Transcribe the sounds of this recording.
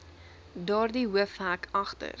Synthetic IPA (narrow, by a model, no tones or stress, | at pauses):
dɑːrdiɦuəfɦækʰɐχtə̰r